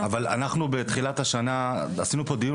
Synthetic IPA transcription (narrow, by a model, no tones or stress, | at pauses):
avala̰naχnubet̪χilat̪haʃana | asinupo̞d̪im